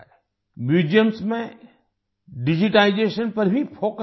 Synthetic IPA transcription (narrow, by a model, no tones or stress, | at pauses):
mjuːd͡ʒijəmsmẽ | ɖɪd͡ʒiʈaːɪd͡ʒeːʃənpɐɾbʱifʰoːk